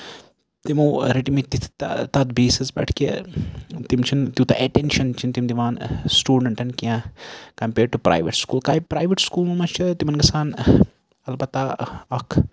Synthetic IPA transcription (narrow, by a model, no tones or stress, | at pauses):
t̪imuːɾiʈimit̪it̪ʰt̪ɐd̪biːsizbɐ̰ʈʰki | t̪imt͡ʃʰint̪jut̪ɐ̰ʔeʈenʃɐnt͡ʃʰint̪imd̪iʋaːnsʈuːɖɐɳʈɐnkiãkɐmpeːɖ̚ʈupɾa̰ːjʋɐʈskuːlkaːjpɾaːjʋiʈskuːlmumɐt͡ʃʰit̪imɐnɡɐsaːn | ɐlbɐt̪ːaɐkʰ